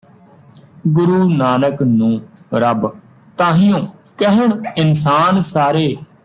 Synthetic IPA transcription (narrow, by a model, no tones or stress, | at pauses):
ɡʊɾuːnaːnəknũːɾəb | t̪ãːɦɪjõːkəɦəɳɪnsaːnsaːɾeː